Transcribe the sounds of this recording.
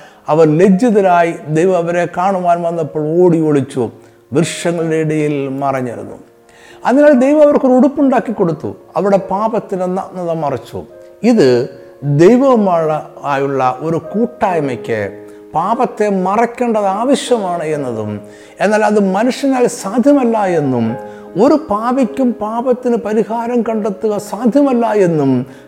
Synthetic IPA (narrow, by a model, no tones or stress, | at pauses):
ɐʋɐrle̞d͡ʑːɐðɐɾaːjid̪ejʋɐmɐʋɐɾekaːɳuʋaːnʋɐnːɐpːoːɭoːɽioɭit͡ɕːu | ʋirʂjɐŋːɐɭiɽeiɽɐjilmɐrɐɲːɐ̰ɾṵnːṵ | ɐðinaːld̪e̞jʋɐmɐʋɐrkoɾuɽupːuɳɖaːkːikːo̞ɽut̪ːṵɐʋiɽe̞paːbɐt̪ːinenɐnːɐðɐmɐrɐt͡ɕːṵ | iðɨ | d̪ejʋɐmɭaːjuɭːɐʔo̞ɾukuːʈːaːjmɐkʲːɨ̰ | paːbɐt̪ːe̞mɐrɐkʲːe̞ːɳɖɐðaːʋɐɕjɐmaːɳɨe̞nːɐðṵm | e̞nːaːlɐðɨmɐnuʂjɐnaːlsaːd̪ʱjɐmɐlːaje̞nːum | o̞ɾupaːbikʲːumpaːbɐt̪ːinɨpɐɾihaːɾɐmkɐɳɖet̪ːuɣɐsaːd̪ʱjɐmɐlːaːje̞nːum